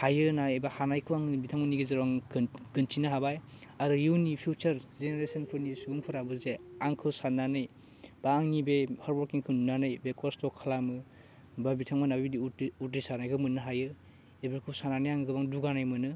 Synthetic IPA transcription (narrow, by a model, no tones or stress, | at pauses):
hajɯnaebahanajkʰɯwaŋbitʰaŋmaniɡizɯɾaŋɡ̥ɯntinɯɦabaj | adɔjuwnipʰut͡ʃɐɾzeneɾesanpʰɯnisubuŋpʰɯɾabɯzeaŋkʰɯwsanːanɯj | baːŋnibehaɾbɔɾkiŋkʰɯnunanɯjbekɔstɔkʰːalamɯ | babitʰaŋmanabidiutɾisanajkʰɯwmɯnːɯɦajɯ | ebaɾkʰɯwsananajaŋɯɡʰɯbaŋduɡanajmɯnɯ